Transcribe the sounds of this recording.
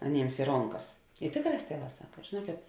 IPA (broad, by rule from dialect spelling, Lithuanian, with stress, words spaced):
ɐˈnʲeːms ɪ ˈroːŋˌkɐs ɪ ˈtʲeːkˌrɑːs ˈtʲiɛˌʋɑː ˈsɑːkɐ ʒʲeːˈnuɔkʲeːt